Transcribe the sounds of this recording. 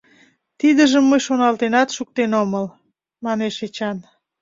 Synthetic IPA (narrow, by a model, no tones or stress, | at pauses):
t̪id̪əʒəmːəjʃonɑlt̪enɑt̪ʃuk̚t̪enoməl | mɑneʃet͡ɕɑn